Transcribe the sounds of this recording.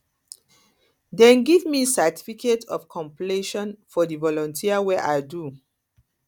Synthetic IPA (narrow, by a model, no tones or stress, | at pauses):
dɛ̃nɡivmisɛtʰi̥fikʰetɔfkʰɔ̃mpleʃɔ̃nfɔdivɔlɔ̃ntʰiawɛʔaɪdu